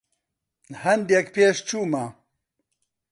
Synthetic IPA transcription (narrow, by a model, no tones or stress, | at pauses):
hɐnd̪jekpeːʃt͡ʃʰuːma